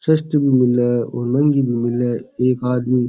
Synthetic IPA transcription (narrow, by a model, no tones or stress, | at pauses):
sɐst̪əbimɪlːɐo̰ːɾnɐŋɡibimɪlːɐeːkaːd̪miː